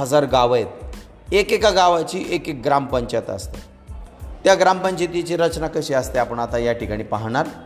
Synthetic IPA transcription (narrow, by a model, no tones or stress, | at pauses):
əd͡zaɾɡaʋət̪ | ekekaɡaʋat͡ɕiːʔekek̚ɡɾampəɲt͡ɕat̪ə̰st̪e | t̪jaɡɾampəɲt͡ɕet̪jit͡ɕiɾət͡ɕnakəɕiast̪eapəɳat̪ajaʈikaɽ̃iːpaɦɽ̃aɾ